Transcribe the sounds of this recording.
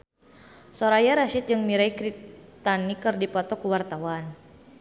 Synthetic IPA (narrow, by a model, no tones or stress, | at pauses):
sɔɾajaɾaʃɪt̪̚d͡ʒɨŋmiɾaikɾit̪anikɨrdipɔt̪ɔkuwart̪awan